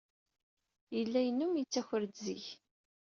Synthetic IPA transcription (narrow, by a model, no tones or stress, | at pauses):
jəlːæjənːumjit͡sːæçəɾd̪zḭç